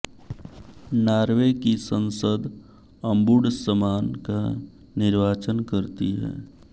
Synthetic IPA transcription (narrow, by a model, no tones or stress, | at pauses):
naːɾʋekisə̃nsəd̪ | ə̃mbʊɽsəmaːnka | nɪɾʋaːt͡ʃənkəɾt̪iɦɛ̰ː